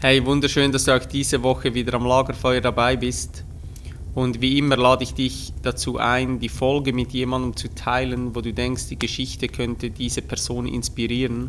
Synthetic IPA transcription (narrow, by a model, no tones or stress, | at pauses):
hɛɪvʊndəɾʃøːndɑsd̥uːaʊxd̥iːzəvɔxəviːdəɾamlaːɡəɾfɔʏəɾdabaɪbɪst | ʔʊndviːʔɪməlaːdəɪçd̥ɪç | d̥at͡suːʔaɪndiːfɔlɡəmɪtʰjeːmandəmt͡sutʰaɪlənvoːduːdɛŋkstd̥iːɡəʃɪçtəkʰœntəd̥iːzəpʰɛɐz̥oːnɪ̰nspiʁiːʁən